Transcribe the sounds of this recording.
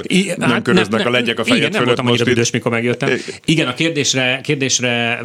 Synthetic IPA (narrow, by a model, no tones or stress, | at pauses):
inɛmkønɾøznɛkɒlɛɟɛkɒɛɡɛnɛmøot̪ɒmɒɲːiɾɒid̪øːʃtmiko̞rmɛɡjøt̪ːɛmiɡɛnɒkeːrd̪eːʃrɛkeːrd̪eːʃrɛ